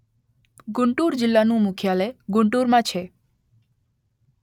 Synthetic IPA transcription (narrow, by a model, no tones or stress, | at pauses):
ɡʊɳʈuɾd͡ʒɪlːanũmʊkʰjaleɡʊɳʈuɾmãt͡ʃʰe